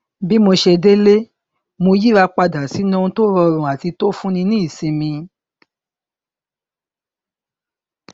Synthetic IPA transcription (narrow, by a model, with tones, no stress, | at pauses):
bi˦mo˧ʃe˧de˦le˦ | mo˧ji˦ɾa˧k͡pa˧da˨si˨˦nũ˦ũ˧to˦ɾɔ˧ɾũ˨a˨ti˧to˦fũ˦nĩ˧nĩ˦i˦˨sĩ˨˧mĩ˧